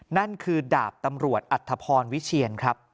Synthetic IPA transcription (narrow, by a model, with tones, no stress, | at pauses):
na˥˩nkʰɯː˧daː˨˩p̚t̪a˧mɾu˨˩ət̪̚ʔa˨˩t̪ʰːa˧pʰɔː˧nwi˦˥t͡ɕʰi˧ənkʰɾa˦˥p̚